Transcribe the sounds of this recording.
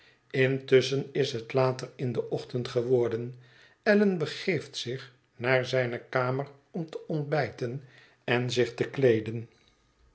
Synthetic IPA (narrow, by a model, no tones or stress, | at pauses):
ɪntʏsənɪsɦətlaːtərɪndəʔɔχtəntχəʋɔɹdən | ɛlənbəχejftsɪχ | naːɹzɛjnəkaːmər | ɔmtəʔɔnd̚bɛjtən | ɛnzɪχtəklejdən